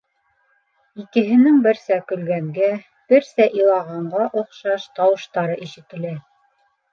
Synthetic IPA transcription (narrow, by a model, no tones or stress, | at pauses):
ikɘ̆ɦɘ̆nɘŋbɘ̆ɾsækɵ̆lɡæŋɡæ | b̥ɘɾsæʔilˠɑʁɑɴɢɑʔŏqʃɑʃt̪ɑwɤ̆ʃt̪ɑɾɤʔiʃɘ̆t̪ɘ̆læ